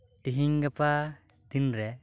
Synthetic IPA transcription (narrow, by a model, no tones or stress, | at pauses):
ʈiɦiŋɡɐpad̪inɾɛ